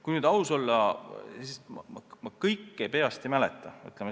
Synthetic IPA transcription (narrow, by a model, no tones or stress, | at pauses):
kujnyːd̪̥ɑuso̞lːɑsismɑ̰mɑmɑkɤjkːejpe̞ɑst̪imælɛt̪ːˑɑmy̰t̪ːˑleme